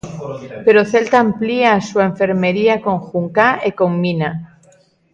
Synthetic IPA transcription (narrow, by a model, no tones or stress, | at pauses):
pe̞ɾoθe̞lt̪aːmpliaːsueɱfe̞ɾmeɾiako̞ŋxuŋkaʔeko̞ŋmina